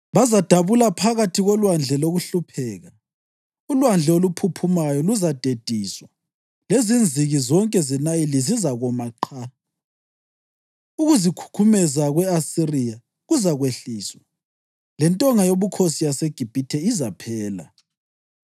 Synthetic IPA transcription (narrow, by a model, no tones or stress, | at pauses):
βazad̥ʱaβulapʰaɣatʰiɣɔlwand͡ɮʱɛloɣuɬupʰɛːɣa | ulwand͡ɮʱɛolupʰupʰumajɔluzad̥ʱed̥ʱiːswa | lezind͡zʱiɣizɔŋkʼɛzɛnajɛlizizaɣɔmaǃʰa | uɣuzikʰu̥kʰumɛzaɣwɛasirija | ɣuzaɣweɬiːswa | lɛntʼɔŋajoβukʰosijaseɡ̥ʱib̥ʱitʰɛizapʰɛːla̰